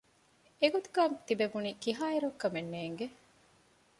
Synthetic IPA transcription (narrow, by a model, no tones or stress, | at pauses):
eɡud̪uɡaːmt̪ibeʋuniːkiɦaːiɾɐkːɐmenːeːŋɡe